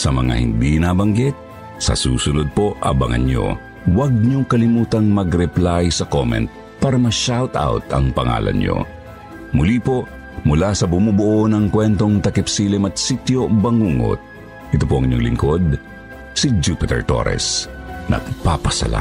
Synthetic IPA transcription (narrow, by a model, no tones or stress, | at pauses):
sɐmɐŋa̰hɪ̰nd̪inaːbɐŋɡɪt̪̚ | sɐ̰sṵːsʊnod̪̚poʔʔɐ̰bɐŋɐ̰njo̰ | wɐɡ̚ɲokɐlɪmuːt̪ɐŋmɐɡɾɛplajsɐkomɛ̰nt̪̚ | paːɾɐmɐʃawt̪a̰wt̪ɐ̰ŋpɐŋa̰ːlʔɐ̰nɲo̰ | mʊlipo | mʊlasɐbʊmubʊʔonɐŋkwɛnt̪oŋt̪ɐkɪpsilɪmɐt̪̚sit̪jobɐŋuːŋo̰t̪̚ | ʔɪt̪opoʔɐŋɲoŋlɪ̰ŋkod̪̚ | sid͡ʒupɪt̪ɛ̰ɹt̪o̰ɾɛ̰snɐ̰ɡ̚papɐsɐ̰la̰